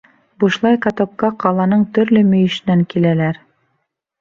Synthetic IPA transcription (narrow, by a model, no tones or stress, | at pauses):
buʃlˠɑjqɑt̪okːɑqɑlˠɑnɤɴt̪ɵ̆ɾlɵmɵ̆jɘ̆ʃɘ̆næŋkilælæɾ